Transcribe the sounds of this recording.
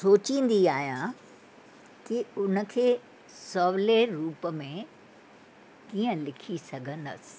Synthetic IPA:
soːt͡ɕĩːn̆d̪iaːɦjã | kiʊnə̆kʰeː | sɔːʋleɾuːpə̆mẽ | kiːə̃lɪkʰisɐɡʱə̃nd̪ə̰sɪ̥̆

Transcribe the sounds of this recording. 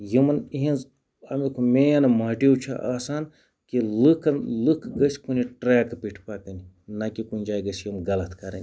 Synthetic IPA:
jimɐniɦinz | ɐmikʰumeːjɐnɐmaːʈiwt͡ʃʰa̰ʔaːsaːn | kilɨkʰnlɨkʰɡɐsʲkuniʈɾaːkpiʈʰpaːkɐni | nɐkikunʲd͡ʒaːiɡɐsjimɡɐlɐt̪ʰkɐɾɐ̰nʲi

